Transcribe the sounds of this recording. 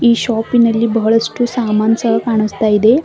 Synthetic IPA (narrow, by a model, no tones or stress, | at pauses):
iɕɔpːinəlːiːbʱəɭəsʈuːsamant͡səkaɳ̃əst̪aid̪e